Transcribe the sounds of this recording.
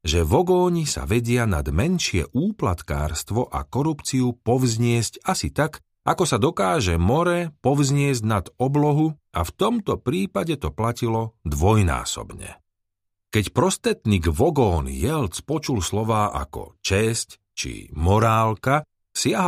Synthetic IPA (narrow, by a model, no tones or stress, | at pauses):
ʒɛʋɔɡɔːɲisa̰ʋɛɟɪana̰d̪mɛnʃɪɛ̰ʔuːplat̪ka̰ːɾst̪ʋɔʔa̰kɔɾupt͡siupɔʋzɲɪɛzcasit̪ak | ʔakɔsad̪ɔkaːʒɛmɔɾɛpɔʋzɲɪɛzɟnad̪ɔblɔɦua̰ft̪ɔmt̪ɔpɾiːpaɟɛt̪ɔplacilɔd̪ʋɔjna̰ːsɔ̰bɲɛ̰ | kɛcpɾɔst̪ɾɛt̪niːɡʋɔɡɔːnjɛlt͡spɔt͡ʃulslɔʋaːʔa̰kɔ̰t͡ʃɛsc | t͡ʃḭmɔɾaːlka | sɪaɦ